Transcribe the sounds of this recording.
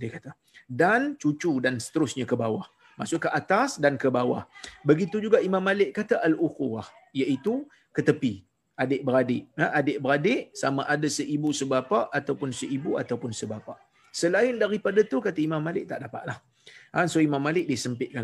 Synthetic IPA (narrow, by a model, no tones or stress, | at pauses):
diəkat̪a | dant͡ʃut͡ʃudansə̥t̪əɾʊsɲakəbawah | masʊʔkːəʔat̪asdankəbawa̰hbəɡit̪ud͡ʒuɡaʔimãmːalɪʔkat̪aʔaluxuwah | jaʔit̪u | kət̪əpi | adɪʔbəɾadɪʔaʔadɪʔbəɾadɪʔsamaʔadasəʔibusəbapaʔat̪awpʊnsəʔibuat̪awpʊnsəbapaʔ | səlaɪndaɾipadat̪ukat̪aimãmːalɪʔ̚t̪aʔdapa̰ʔ̪̚lah | ansoimãmːalɪk̚diəsəmpɪt̪̚ka